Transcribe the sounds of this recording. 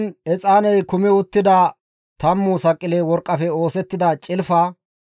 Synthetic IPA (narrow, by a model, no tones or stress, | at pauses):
nɛt͡sʼaːnɛjkʊmɛʊt̪ːɪd̪ɐ | t̪ɐmːʊsɐkʼːɪleːwɔɾkʼːɐfɛo̞ːsɛt̪ːɪd̪ɐt͡ʃʼɪlfɐ